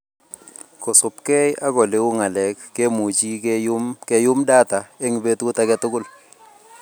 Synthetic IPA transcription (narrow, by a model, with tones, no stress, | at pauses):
kɔ˨sʊ˨pkɛ˦ja˦kɔ˨le˨˦ʊ˦ŋa˨lɛ˨kːe˦mu˨t͡ʃi˦kmkɛ˨jʊ˦mda˦ta˨e˦ŋ˨be˦tkʊ˦ta˦kɛ˦tʊ˦kʊ˦l